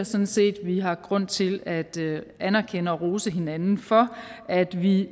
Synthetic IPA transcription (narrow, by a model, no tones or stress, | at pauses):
ɐsɒ̽n̩se̝̰ːd̥ʋiɦɑ̈ɡ̥ʁɔ̽n̰t͡sʰe̝læd̥ænæɐkʰenəɒ̽ʁo̝ːsəɦe̝nænn̩fɒ̽ʔæd̥ʋi